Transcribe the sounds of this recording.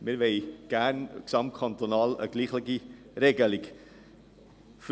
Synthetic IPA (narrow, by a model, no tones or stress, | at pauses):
mɪɾvɛɪɡ̥æɾnksɑmt̚kʰɑnt̪onɑːlə̰ɡ̥liːχləɡi | ɾeːɡəlik | f